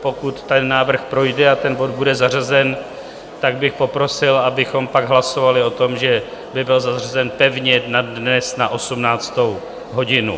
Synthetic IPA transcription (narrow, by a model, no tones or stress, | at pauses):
po̞kut̪ːɛnːaːvr̩xpɾo̞jdɛat̪ɛnbo̞d̪̚budɛzarazɛn | t̪aɡ̚bɪxpo̞pɾo̞sɪlʔabɪxo̞mpaɡɦlaso̞valɪo̞t̪o̞mʒɛ | bɪbɪlzarazɛnpɛvɲɛnadnɛsnaʔo̞sumnaːt͡st̪o̞w | ɦo̞ɟɪnṵ